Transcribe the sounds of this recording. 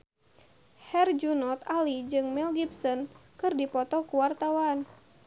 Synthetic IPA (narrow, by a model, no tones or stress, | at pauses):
hɛrd͡ʒunɔt̪alid͡ʒɨŋmɛlɡibsɔnkɨrdipɔt̪ɔkuwart̪awan